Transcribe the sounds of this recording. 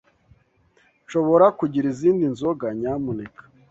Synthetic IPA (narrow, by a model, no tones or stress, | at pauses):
ʃo̞βo̞ɾakuɟiɾiziːndinzoɡaɲaːmunekḁ